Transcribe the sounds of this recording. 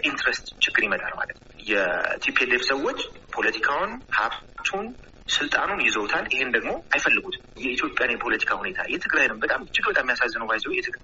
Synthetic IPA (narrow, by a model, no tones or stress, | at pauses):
ʔint̪ɾest̪t͡ʃɪɡːɨɾjimət̪ʼa̰lma̰lət̪ | jɛt̪ʰipʰeleβsəwːot͡ʃːpʰo̞lət̪ʰikʰawʊnhaβt̪ʰun | sɨlt̪ʼanunjɪzəwt̪ʰalːɪhend̪əɡmo̞ajfəlːɨɡut̪ʰ | jɛit̪ʰjo̞pʼjanjɛpʰo̞lət̪ʰi̥kʰahune̞t̪ʰa̰jɛt̪ʰɨɡɾajnɨmbət̪ʼamt͡ʃːɪɡbət̪ʼamːijasazːɨnəwbajsəwjɛt̪ʰɨ